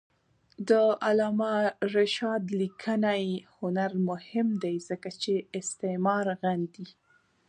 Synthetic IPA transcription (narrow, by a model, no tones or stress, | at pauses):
d̪əalɑmaɾɪʃɑd̪likʰənajhʊnaɾmʊhɪmd̪ajzəkat͡ʃeɪst̪emɑɾɣand̪i